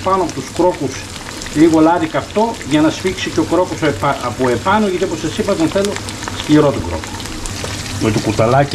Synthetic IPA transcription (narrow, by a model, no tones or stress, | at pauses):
pɐnoɐpot̪uskɾo̞kus | liɣolɐðikɐft̪o̞ʝɐnɐsfiksico̞kɾo̞kospɐɐpoepɐnoʝɐt̪ioposɐsipɐðonθelostiɾot̪oɡɾo̰ko̥ | met̪okut̪ɐlɐc